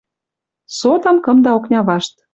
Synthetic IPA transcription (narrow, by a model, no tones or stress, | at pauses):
sot̪ɤ̆mkɤ̆md̪ɑoknʲɑβɑʃt̪